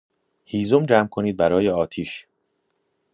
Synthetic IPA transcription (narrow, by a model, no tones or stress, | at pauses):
hiːzomd͡ʒæːmkʰo̞niːd̪̚bæɾɒːjeɒːt̪ʰiːʃ